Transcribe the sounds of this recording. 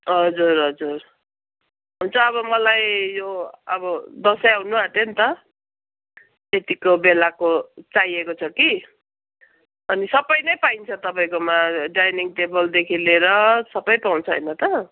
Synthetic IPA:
ɦʌd͡zurɦʌd͡zur | ɦunt͡sʰʌːbʌmʌlajjoʌ̰bʌd̪ʌsʌjaɦunuat̪ent̪ʌ | t̪et̪ikobelakot͡sajekot͡sʰʌki | ʌnisʌbʌjnʌjpaint͡sʰʌt̪ʌpaĩkomaɖajniŋʈebʌld̪ekʰileɾʌsʌbʌjpaw̃nt͡sʰʌɦʌ̰jnʌt̪ʌ

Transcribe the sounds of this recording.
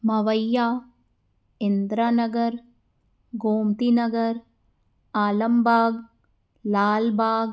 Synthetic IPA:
mɐʋɐjːaː | end̪ɾanɐɡɐɾ | ɡoːmt̪inɐɡɐɾ | aːlɐmbʱaːɡ | laːlbʱaːɡ

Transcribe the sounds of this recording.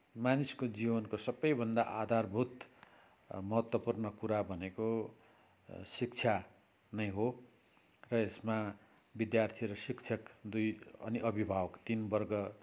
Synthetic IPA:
maniskod͡zibʌnkosʌbːʌjbʱʌnd̪aʔad̪ʱarbʱut̪ | mʌɦʌt̪wʌpurnʌkuɾabʱʌneko | sik̚t͡sʰja | nʌjɦo | rʌesma | bid̪jart̪ʰiɾʌsikt͡sʰʌkd̪ujʌ̰niʔʌbʱibʱawʌkt̪inbʌrɡʌ

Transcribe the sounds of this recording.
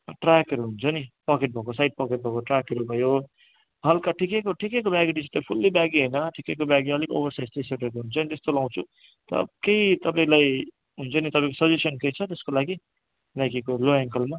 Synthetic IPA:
ʈrakʌɾuɦunt͡sʰʌnipʌkeʈ̚bʱʌkosajɖ̚pʌkeʈ̚bʱʌkoʈrakʌɾubʱʌjo | ɦʌlkaʈʰikekoʈʰikekobjaɡiɖit͡sʰu̥t̪pʰulːibaɡiɦʌjnʌʈʰikekobjaɡiʌliko̰bʌrsajst̪eseʈekoɦunt͡sʰʌnit̪est̪olãw̃t͡sʰu | t̪ʌ̰kejt̪ʌp̬aĩlaj | ɦunt͡sʰʌnit̪ʌpãĩkosʌd͡zusʌnkejt͡sʰʌt̪eskolaɡi | bjaɡikoloeŋkʌlma

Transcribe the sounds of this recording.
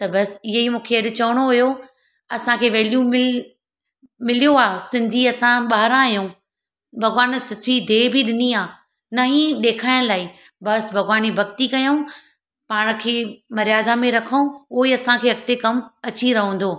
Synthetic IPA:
t̪ɐbɐsɪɦimũːkʰeɐɗɪ̆t͡ɕɐʋəɽ̃oɦʊjo | ɐsãkʰeːʋeːlijũmɪ | mɪlijoaːsɪ̃nd̪ʱiɐsãɓaːɦɾãjũː | bʱɐɣʋaːnsɪt̪ʰid̪ʱeːbɪɗɪniaː | nɐɦĩɗeːkʰaːɪɽ̃laːi | bɐsbʱɐɣʋaːnibʱɐɡt̪ikɐjoũ | paːɽ̃̆kʰeːmɐɾijaːd̪amẽɾɐkʰəũoːiɐsãkʰeːɐk̚t̪ekɐmɐt͡ɕiɾɐɦə̃n̆d̪oː

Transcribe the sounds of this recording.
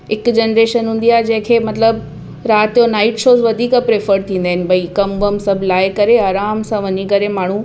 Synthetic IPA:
ɪkd͡ʑeːnɾeːʃənɦũːn̆d̪iaːɦed͡ʑɐ̃ɦɪ̃kʰeːmɐt̪ləb | ɾaːt̪ːjonaːɪʈʃoːzʋɐd̪ʱiːkapɾeːfəɾt̪ʰĩːn̆d̪aːɦɪnɪ̆bɐikɐmʋəmsɐbʱlaːɪkɐɾeaːɾaːmsãʋɐɲikɐɾemaːɳ̤u

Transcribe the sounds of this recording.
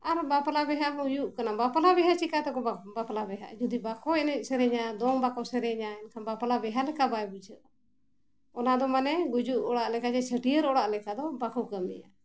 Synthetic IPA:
aɾbapalabɛɦamujuʔkanabapalabɛɦat͡ʃikat̪ɛkɔbapalabɛɦa̰ʔd͡ʒud̪ibakɔɛnɛc̚ˀsɛɾɛɲad̪ɔŋbakɔsɛɾɛɲaɛnkʰambapalabɛɦalɛkabajbud͡ʒəʔ | ɔnad̪ɔmanɛɡud͡ʒuʔɔɽaʔlɛkad͡ʒɛt͡ʃʰəʈijəɾɔɽaʔlɛkad̪ɔbakukəmḭja̰

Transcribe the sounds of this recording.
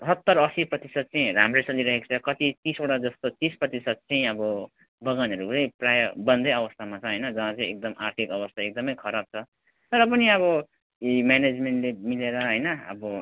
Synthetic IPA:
ɦʌt̪ːʌɾʌsiprʌt̪isʌd̪̚t͡sʌĩɾamresʌliɾʌɦekt͡sʰʌkʌt̪it̪isoʈad͡zʌst̪ot̪isprʌt̪isʌd̪̚t͡sʌĩʌbʌ | bʌɡanɦʌɾut͡sʌj̃prajʌbʌnd̪ʌjʌbʌst̪ʰamat͡sʰʌɦʌjnʌd͡zʌɦãt͡sʌĩek̚d̪ʌmart̪ʰikʌbʌst̪ʰaek̚d̪ʌmʌjkʰʌɾab̚t͡sʰʌ | t̪ʌɾʌp̬ʌniʌβʌ | imjaned͡zmeɳʈlemileɾʌɦʌjnʌʌ̰bʌ

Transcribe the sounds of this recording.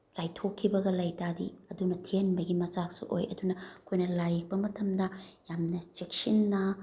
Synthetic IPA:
t͡ʃajtʰokʰːibɐɡɐlɐjtadḭɐdunɐtʰienbɐɡimɐt͡ʃaksṵʔo̰jɐ̰dunɐkʰojnɐlajik̚pɐmɐtʰɐmdɐjamnɐt͡ʃik̚sinːɐ

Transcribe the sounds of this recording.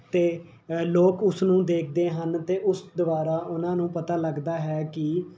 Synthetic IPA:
t̪eː | loːkʊsnũːd̪eːk̚ʰd̪eːɦənt̪eːʔʊsd̪ʊʋaːɾaːʔʊnãːnũːpət̪aːləɡd̪aːɦɛːkɪ

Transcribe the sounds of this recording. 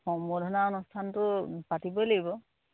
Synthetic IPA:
xɔŋmbɔdʱɔnaɔnustʰantʊpatibɔlaɡibɔ

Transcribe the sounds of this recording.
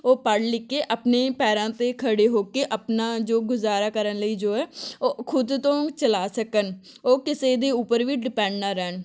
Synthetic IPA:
oːpəɽlɪkːeːʔəpneːpɛːɾãːt̪eːkʰəɽeːɦoːkeːʔəpnaːd͡ʒoːɡʊzaːɾaːkəɾənləiːd͡ʒoːɛːoːkʰʊd̪t̪õːt͡ʃəlaːsəkən | oːkɪseːd̪eːuːpəɾʋiːɖɪpɛ̃ːɳɖnaːɾɛːn

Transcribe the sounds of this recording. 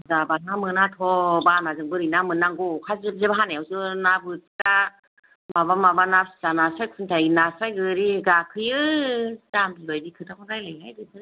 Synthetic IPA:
zabanamɯnatʰɔbanazɯŋbɯɾɯnamɯnːaŋɡɔkʰazɯb̚zɯbaɦanewzɯnabɯtita | maβamabanap̚szanasak̚sʰɯntʰajinasajɡɯɾiɡakʰɯjɯ | zamibajbikʰɯtʰakʰɔdajlajlajdɯsɯ

